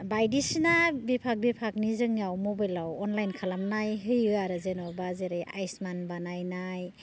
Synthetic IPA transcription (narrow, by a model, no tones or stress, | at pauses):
bajdisinabepʰak̚bepʰak̚nizɯŋiawmɔbajlawɔnlajnkʰalamnajɦɯjɯaɾɯzenɔbazeɾejʔa̰jsmanbanajnaj